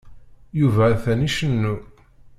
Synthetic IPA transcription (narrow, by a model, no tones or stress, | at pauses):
juvæːθæniʃənːu